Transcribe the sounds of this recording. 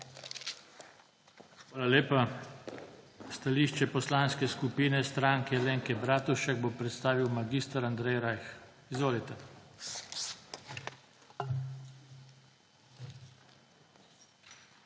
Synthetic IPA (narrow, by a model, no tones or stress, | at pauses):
xʋaːlaleːpa | st̪aliːʃt͡ʃɛpɔslaːnskɛskupiːnɛst̪ɾaːŋkɛleːŋkɛbɾaːt̪uʃɛɡ̚bopɾɛt̪st̪aːʋiwmaɡist̪aɾand̪ɾɛjɾajx | izʋoːlit̪ɛ